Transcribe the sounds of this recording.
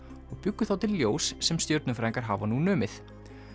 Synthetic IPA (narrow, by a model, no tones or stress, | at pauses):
ɔɣpʏkːʏθawt̪ʰɪlljoːwsːɛmst̪jœɾt̪nʏfɾaːjŋkaɾɦaːvanunœːmɪθ